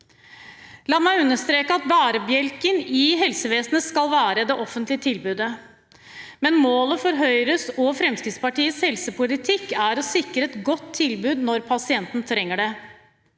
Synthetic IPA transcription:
lɑːmæɪʉnːəʂt̪ɾeːkəɑt̪̚bæːɾəbjɛlkənɪɦɛlsəʋeːsnəskɑlʋæːɾəd̪ɛʔɔfənt̪lɪət̪ʰɪlbʉːd̪ə | mɛnmoːləfɔɾɦœʏɾəsɔfɾɛmskɾɪt̪spɑʈiːəshɛlsəpʰʊlɪt̪ʰɪkːæɾɔsɪkɾəɛt̪ɡɔt̪ʰːɪlbʉːd̪nɔɾpʰɑsɪɛnt̪n̩t̪ʰɾɛŋːəɖɛ

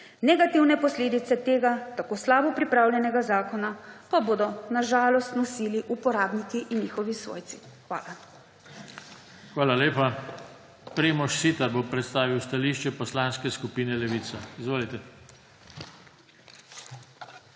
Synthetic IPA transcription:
nɛɡat̪iwnɛpɔsleːd̪it̪sɛt̪eːɡat̪akoːslaːbɔpɾipɾaːwljɛnɛɡazaːkɔnapaboːd̪ɔnaʒaːlɔst̪nɔsiːliʔupɔɾaːbnikiʔinːixɔʋisʋo̰ːjt̪si̥ | xʋa̰ːla | xʋaːlaleːpa | pɾeːmɔʃsit̪abopɾɛt̪st̪aːʋiwst̪aliːʃt͡ʃɛpɔslaːnskɛskupiːnɛlɛʋiːsaizʋoːlit̪ɛ

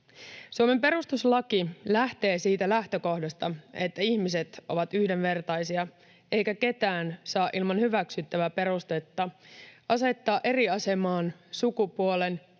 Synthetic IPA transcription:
suome̞mpe̞ɾust̪uslɑkilæht̪e̞ːsiːt̪ælæht̪ø̞ko̞hdɑst̪ɑe̞t̪ːæiçmis̬e̞t̪ʔo̞̰ʋɑt̪yhde̞nʋe̞rt̪ɑjsiɑ | e̞jkæke̞t̪æːnsɑːʔilmɑnhyʋæksyt̪ːæʋæpe̞ɾust̪e̞t̪ːɑʔɑse̞t̪ːɑːʔe̞ɾiɑse̞mɑːnsukupuole̞n

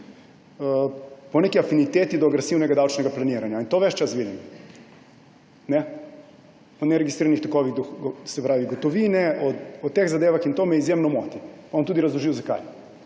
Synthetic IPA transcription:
əponekiafinit̪eːt̪id̪oaɡɾesiwnɛɡad̪awt͡ʃnɛɡaplaniːɾaɲjaint̪oʋɛt͡ʃt͡ʃasʋiːd̪im | nɛ | ponɛɾeɡisɾiːɾanixt̪okoʋixd̪oxɡsɛpɾaːʋiɡot̪oʋiːnɛoot̪eːɣzad̪eːʋaxint̪omɛizjemnɔmot̪ipaont̪uːd̪iɾazlˠoʒijozaka̰j

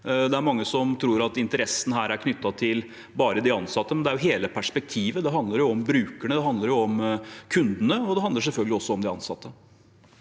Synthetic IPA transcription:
d̪ɛæɾmɑŋːəsɔmt̪ʰɾuːɾɑt̪ɪnt̪əɾɛsːən̩ɦæːɾæɾkʰnʏt̪ːɑt̪ʰɪl | bɑːɾəd̪ɪɑnsɑt̪ːəmɛnd̪ɛæɾjʊɦeːləpʰæʂpɛk̚t̪ʰiːʋəd̪ɛɦɑnd̪ləɾjʊɔmbɾʉːkəɳəd̪ɛɦɑnd̪ləɾjʊɔmkʰʉnd̪ənəɔd̪ɛhɑnd̪əɾʂ̬ɛlfœlɡlɪɔsːɔɔmd̪ɪɑ̰nsɑt̪ːə

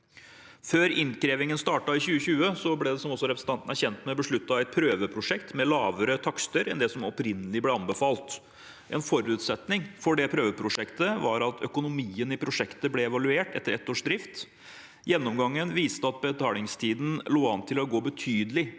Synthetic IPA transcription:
føːɾɪnkɾeːʋɪŋənst̪ɑːʈɑɪçʉːəçʉːəsɔblɛd̪ɛsɔmɔsːɔɾɛpɾəsn̩t̪ɑnt̪næɾçɛnt̪nmɛbəʂɭʉt̪ːɑʋæɪpʰɾøːʋəpʰɾʊʂɛkt̪mɛlɑːʋəɾət̪ʰɑkst̪əɾɛnd̪ɛsɔmɔpɾɪnːəlɪblɛɑnbəfɑːlt̪ | ʔɛ̰nfɔɾʉːt̪sɛt̪nɪŋfɔɖɛpʰɾøːʋəpʰɾʊʂɛkt̪əʋɑɾɑt̪ʰœkʊnʊmiːənɪpʰɾʊʂɛkt̪əblɛɛʋɑlʉeːʈɛ̰t̪ːəɾɛt̪ːoːʂd̪ɾɪft̪ | jɛnːɔmɡɑŋːənʋiːst̪əɑt̪̚bət̪ʰɑːlɪŋst̪ʰiːd̪n̩loːɑnt̪ʰɪlɔɡoːbət̪ʰyːd̪əlɪ

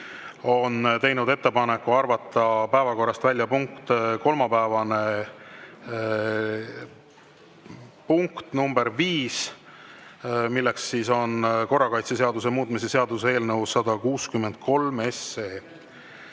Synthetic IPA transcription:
o̞nt̪e̞jnud̪e̞t̪ːepɑne̞kːˑuɑrvɑt̪ːˑɑpæevɑko̞rːɑst̪vælʲjɑpuŋkt̪ko̞lmɑpæevɑne̞ | puŋkt̪numbe̞ɾviːs | milːe̞ksːiːso̞nko̞rːɑkɑjt̪se̞seɑd̪use̞muːt̪mise̞seɑd̪usee̞ːlnɤwsːɑd̪ɑkuːskymːe̞nd̪̥̚ko̞lme̞sːe̞ː

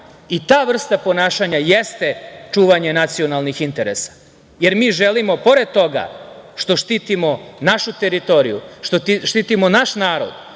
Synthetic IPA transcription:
it̪aːʋr̩st̪apo̞naːʃaɲajest̪e̞t͡ʂuːʋaɲe̞nat̪sio̞nalˠnixint̪e̞ɾḛsḁ | je̞ɾmiːʒelimo̞po̞ɾe̞d̪̚t̪o̞ɡa̰ʃt̪o̞ʃt̪iːt̪imo̞naʃut̪e̞ɾit̪o̞ɾijṵʃt̪ot̪iʃt̪iːt̪imo̞naʃnaːɾo̰d̪

